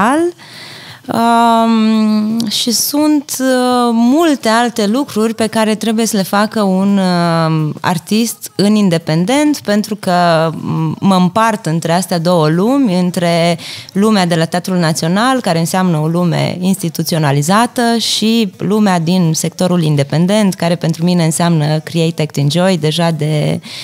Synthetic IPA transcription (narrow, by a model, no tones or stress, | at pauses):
l | ə | ʃisunt̪ | mult̪e̞alt̪e̞lukɾurʲpe̞kaɾe̞t̪ɾe̞buje̞səle̞fakəun | a̰rt̪ist̪ɨnind̪e̞pe̞nd̪e̞nt̪pe̞nt̪ɾukə | məɨmpart̪ɨnt̪ɾe̞ast̪ead̪o̞wəlumʲɨnt̪ɾe̞lumead̪e̞lat̪eat̪ɾulnat̪sio̞nalkaɾe̞ɨnseamnəo̞lume̞̰inst̪it̪ut̪sio̞nalizat̪əʃilumead̪insek̚t̪o̞ɾulind̪e̞pe̞nd̪e̞nt̪kaɾe̞pe̞nt̪ɾumine̞ɨnseamnəkɾiejt̪ekt̪ind͡ʒojd̪e̞ʒad̪e̞